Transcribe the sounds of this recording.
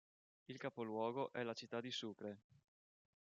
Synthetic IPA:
ilkapolwɔːɡoʔɛlat͡ʃit̪ːad̪isukɾe

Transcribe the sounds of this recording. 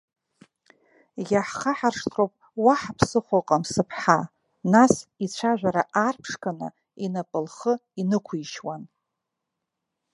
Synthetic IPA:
jaħχaħarʂtʰropʼ | waħapʰsɨχʷaqʼamsɨpʰħa | nasit͡ɕʷʰaʒᶣʷaɾaʔarpʰʂkanɨ̰ | inapʼɨlχəinɨkʷʰijʃwan

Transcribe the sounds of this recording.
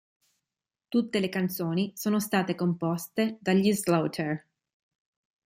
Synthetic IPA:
t̪ut̪ːelekant̪soːnisoːnost̪aːt̪ekompɔst̪ed̪aʎːizlowt̪ʰer

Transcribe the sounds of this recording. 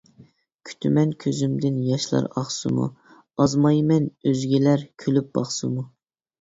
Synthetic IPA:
kʲʰy̥t̪ʰymɛnkʲʰøzymd̪ɪnjɑʃlˠɑ̰ɾɑχsɨ̰mṵ | ɑzmɑjmɛnøzɡʲilæɾkʲʰylyp̚b̥ɑχsɨmu

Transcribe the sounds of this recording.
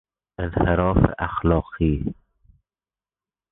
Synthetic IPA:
ʔɪnhɪɾɔːfɪ̰ʔaxlɑːqiː

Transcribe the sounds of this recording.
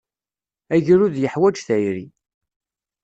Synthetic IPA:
æʝɾuðjəħwæd͡ʒθæjɾḭ

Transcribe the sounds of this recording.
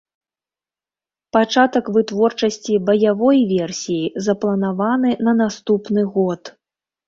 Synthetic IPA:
pat͡ʂat̪ɐkvɨt̪vɔrt͡ʂɐsʲt͡sʲibɐjavɔjvʲɛrsʲijizɐplˠɐnavanɨnɐnast̪upnɨɣɔt̪

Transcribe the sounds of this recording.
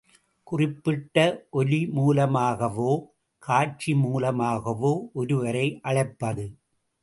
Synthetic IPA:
kʊrɪpːɪʈːɐʔɔlimuːlɐmaːɣɐʋoː | kʰaːt͡ʃimuːlɐmaːɣɐʋoːʔɔɾɯʋɐɾɐɪʔɐɻɐɪpːɐðɯ

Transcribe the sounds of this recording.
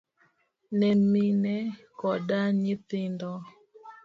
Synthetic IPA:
nɛminɛ | kɔdaɲɪtɪndɔ

